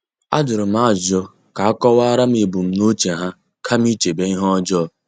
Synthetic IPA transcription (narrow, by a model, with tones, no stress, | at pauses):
a̰˦d͡ʒʊ˨ɾʊ˨m̩˦a˦˨zɔ˦ | ka˨a˦kɔ˦wa˦ɾa˦m̩˦ɪ˨bu˨m̩˦no˦t͡ʃe˨ɦa˦ | kʰa˦m˦i˦t͡ʃe˨be˦i˦ɦɔ˦d͡ʒɔ˦˨